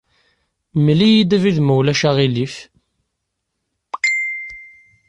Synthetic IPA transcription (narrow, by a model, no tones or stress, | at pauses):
mlijid̪æviðməwlæʃaʁilif